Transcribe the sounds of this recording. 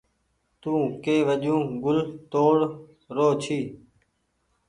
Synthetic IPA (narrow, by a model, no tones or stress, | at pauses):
t̪ũːkeːʋəd͡ʒũːɡʊlt̪oːɽ | ɾoːt͡ʃʰiː